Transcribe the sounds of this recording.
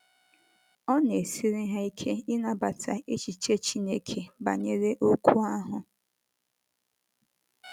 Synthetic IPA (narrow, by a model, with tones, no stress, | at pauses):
ɔ˦ne˨si˦ɾi˦ɦa˦i˦kʰe˦ɪ˦na˦ba˨tʰa˨e˦t͡ʃi˨t͡ʃe˦t͡ʃi˦ne˦˨kʰe˨ba̰˨ɲe˦ɾe˦ʔo˦kʷu˦a˦ɦʊ˨